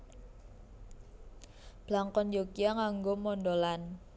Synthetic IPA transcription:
b̥laŋkɔnjokiaŋaŋɡomɔnɖolan

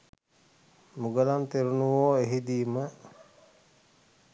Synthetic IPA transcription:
muɡəlant̪eɾunuʋoːeɦid̪iːmə

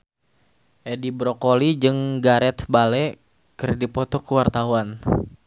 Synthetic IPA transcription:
ʔɛdibɾɔkolid͡ʒɨŋɡaɾɛt̪balɛ | kɨrdipɔt̪ɔkəwart̪auan

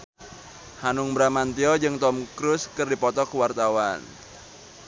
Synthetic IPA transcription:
hanʊŋbɾamant̪iɔd͡ʒɨŋt̪ɔmkɾʊskɨrdipɔt̪ɔkwart̪awan

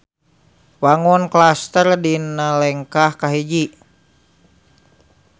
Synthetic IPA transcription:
waŋɔnklast̪ərdinalɛŋkahkaɦed͡ʒi

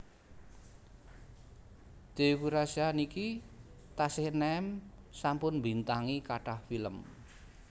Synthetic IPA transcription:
d̪̥eukuɾasianiki | t̪asɪhnɛɛm | sampʊnmbint̪aŋikaɖ̥ahfiləm

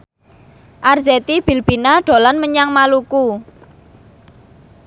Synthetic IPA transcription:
ʔarzɛt̪ib̥i̤lb̥inaɖ̥o̤lanməɲaŋmaluku

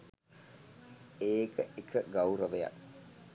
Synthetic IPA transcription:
eːkəʔekʰəɡawuɾəʋeja̰

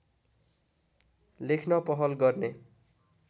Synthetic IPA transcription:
lekʰnʌpʌɦʌlɡʌrne

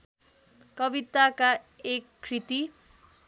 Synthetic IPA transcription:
kʌbit̪aka | ekʰːɾit̪i

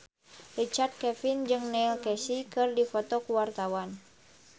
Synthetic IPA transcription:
rit͡ʃart̪̚kɛfind͡ʒɨŋnɛilkɛsikɨrdifɔt̪ɔkuwart̪awan

